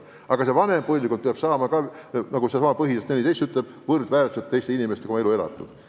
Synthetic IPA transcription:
ʔɑɡ̥ɑse̞vɑne̞mpuhlʲikun̚peɑb̥sɑːmɑkɑnɑɡusesɑmɑpɤɦiset̪enʲːit̪ejst̪yt̪leb̥̚vɤrd̪væːɾset̪ːe̞jst̪einimest̪eoɑe̞lue̞lɑ̰t̪ːˑṵd̪̥

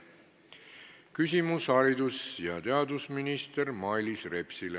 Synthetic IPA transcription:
kys̬ʲimushɑɾid̪̥usjɑt̪e̞ɑd̪usminist̪eɾmɑjlisre̞psile

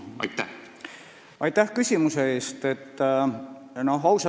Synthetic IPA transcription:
ɑ̰jt̪ːæh | ɑjt̪ːæhkysʲimuseeːst̪et̪ː | nohɑwsɑ

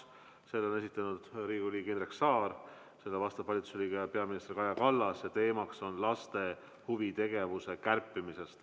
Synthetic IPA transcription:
se̞lːonesit̪ːˑɑnud̪̥riːɡulʲiːɡenreksɑːɾ | se̞lːevɑst̪ɑvɑlʲit̪u̥sliːɡeɑpe̞ɑminist̪erkɑjɑkɑlːɑsjɑt̪e̞ːmɑkso̞nlɑst̪e̞ | huvit̪e̞ɡe̞vuse̞kærpːˑimise̞st̪

